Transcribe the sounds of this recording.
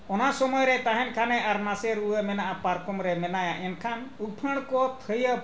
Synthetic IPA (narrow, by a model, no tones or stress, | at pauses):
ɔnasɔmɔjɾɛt̪aɦɛnkʰanɛʔaɾnasɛɾuwəmɛnaʔapaɾkɔmɾɛmɛnajaʔɛnkʰanuk̚pʰəɽ̃kɔt̪ʰəjə